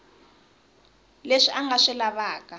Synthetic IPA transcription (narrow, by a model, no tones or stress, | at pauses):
leʂiʔaŋɡʱaʂɛlaβaːk̬ʼa